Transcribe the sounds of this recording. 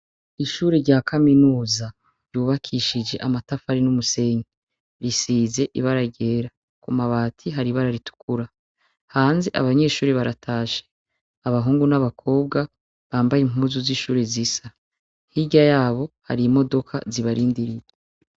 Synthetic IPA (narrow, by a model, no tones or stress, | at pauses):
iʃuːɾeɾɟaːkʰaminuːza | ɾjuːβakʰiʃid͡ʒe̞ʔamatafaɾinumuse̞ɲe | ɾisiːze̞ʔiβaɾaɟe̞ːɾa | kumaβaːtʰiɦaɾiβaɾaɾitu̥kuɾa | haːnziʔa̰βaɲe̞ːʃuːɾiβaɾatʰaːʃe̥ | aβaɦuːŋɡunaβakʰo̞ːb̚ɡa | βaːmbajem̥uːzuziʃuːɾezisa | hiɟajaːβo̞ha̰ɾimo̞do̞kʰa̰ziβaɾiːndiɾije